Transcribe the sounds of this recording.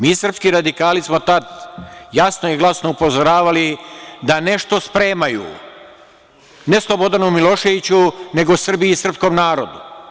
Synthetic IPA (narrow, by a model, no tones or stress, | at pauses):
miːsr̩pskiɾad̪ikaːlismo̞t̪ad̪jasnoiɡlˠasnoupo̞zoɾaːʋalid̪ane̞ʃt̪o̞spɾe̞ːmajṵː | ne̞slˠo̞bo̞d̪anumilˠo̞ːʃe̞ʋit͡ɕune̞ɡo̞sr̩biːsr̩pskomnaːɾo̞d̪u